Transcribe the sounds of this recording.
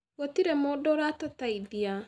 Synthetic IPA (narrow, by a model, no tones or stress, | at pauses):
ɣɔtiɾɛmɔdɔɾatataiðia